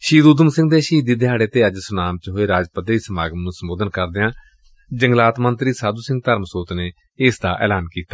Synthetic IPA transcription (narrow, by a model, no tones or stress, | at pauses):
ʃiːd̪uːd̪əmsɪ̃ŋɡd̪eːʃiːd̪iːd̪ɪɦaːɽeːt̪eːəd͡ʒsʊnaːmt͡ʃɦoːeːɾaːd͡ʒpət̪iːsəmaːɡəmnũːsəmoːd̪ənkəɾd̪eːãː | d͡ʒəŋɡlaːt̪mənt̪ɾiːsaːd̪uːsɪ̃ŋɡt̪əɾmsoːt̪neː | ɪːsd̪aːʔɛ̰ːlaːnkiːt̪ḁː